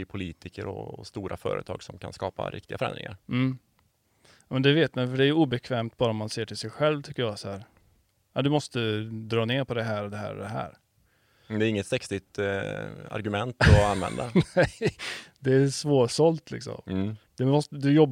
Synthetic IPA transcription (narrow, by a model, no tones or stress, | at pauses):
ɪpʰʊliːt̪ɪkəɾɔ̰st̪uːɾʔafœ̰ːɾə̰t̪ʰɑːɡsɔmkʰanskɑːpa̰ɾɪ̰k̚t̪ɪɡafœɾɛ̰nd̪ɾɪ̰ŋaɾm̩ː | mɛnd̪ɛveːt̪manfœɖɛæɾjɵuːbɛkʰvɛːmt̪̚bɑːɾaɔmːanseːʈʰɪlsɛjɧɛlvt̪ʰʏkːəjɑːsɔhæːɾ | ad̪ɵmɔst̪əd̪ɾɑːneːɾpʰɔd̪ɛɦæːɾɔd̪ɛɦæ̰ːɾd̪ɛɦæ̰ːɾ | d̪ɛːɾɪŋːət̪sɛksɪt̪ | a̰ɾɡɵmɛnt̪ɔanvɛ̰nd̪anɛjd̪ɛæsvoːʂɔlt̪ʰlɪ̰ksɔ̰md̪ɛmɔst̪əd̪ɵjɔbː